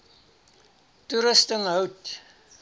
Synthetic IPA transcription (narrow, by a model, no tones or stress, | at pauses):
tuɾəstəŋɦœwt